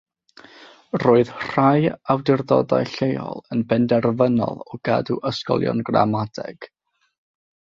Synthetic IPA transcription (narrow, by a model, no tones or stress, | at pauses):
roːɨð̥r̥ajawdɪrðɔdajɬejɔ̰lˠənbɛndɛrvənɔ̰lˠɔɡaduʔəskɔ̰lˠjɔ̰nɡra̰madɛ̰ɡ̥